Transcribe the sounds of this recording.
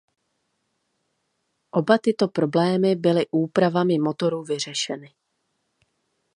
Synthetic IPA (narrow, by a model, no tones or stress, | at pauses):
ʔo̞bat̪ɪt̪o̞pɾo̞blɛːmɪbɪlɪʔuːpɾavamɪmo̞t̪o̞ɾuːvɪr̝ɛʃɛnɪ